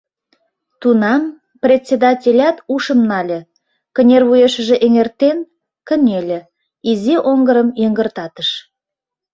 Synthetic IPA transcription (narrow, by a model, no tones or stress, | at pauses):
t̪unɑm | prʲet̪ʲsʲed̪ɑtʲelʲɑt̪uʃə̆mnɑlʲĕ | kə̆nʲerβujeʃəʒĕʔeŋert̪en | kə̆nʲelʲĕ | izeʔoŋɡəɾəmjeŋɡə̆rt̪ɑt̪əʃ